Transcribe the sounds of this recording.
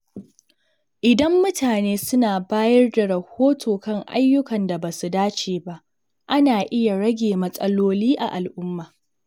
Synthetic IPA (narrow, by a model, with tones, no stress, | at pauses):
ʔɪ˨dɐ˦mːʊ˦tʰaː˨neː˦sʊ˦naː˨baː˦jɐ˦rda˨ɽɐ˨hoː˦tʰoː˨kɐ˦˨ŋʔa̰˦jːʊ˦kɐ˨nda˨baː˨su˨daː˦t͡ʃeː˨ba˦ʔ | ʔa˦naː˨ʔɪ˦ja˨ɽɐ˦ɡʲeː˨mɐ˦sʼɐ˦loː˦liː˦ʔa̰˨ʔa˨lʔʊ˦mːaː˨